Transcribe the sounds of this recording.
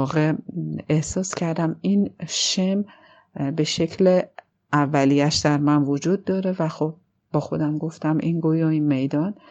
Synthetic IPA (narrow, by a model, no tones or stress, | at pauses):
ɒːɣeehsɒːscʰæɾd̪æminʃem | be̞ʃe̞cʰle | ævːælijæʃd̪æɾmænvod͡ʒuːd̪̚ːɒːɾe̞væxob̚ː | ɒːxo̞d̪æmɡo̞ft̪æmʔḭnɡojoinme̞jd̪ɒn